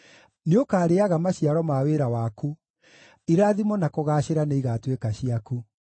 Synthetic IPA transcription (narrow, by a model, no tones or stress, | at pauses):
neokaːɾeaɣamaɕiaɾɔmaweɾawaːku | iɾaːðimɔnakoɣaːɕeɾaneiɣaːtwekaɕiaku